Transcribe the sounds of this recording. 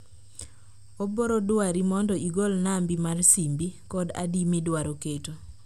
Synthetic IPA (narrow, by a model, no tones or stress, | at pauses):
oboɾodwaɾimɔndɔiɡolnambimarsimbikɔda̰dimidwaɾoketo